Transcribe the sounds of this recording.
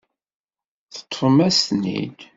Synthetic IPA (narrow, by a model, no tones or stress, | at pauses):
θə̥t̪ʰˤːmæsnḭd̪